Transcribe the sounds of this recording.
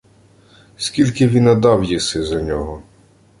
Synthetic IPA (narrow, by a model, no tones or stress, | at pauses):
sʲkʲilʲkɪʋʲinɐd̪ɑwjisɪzɐnʲɔɦɔ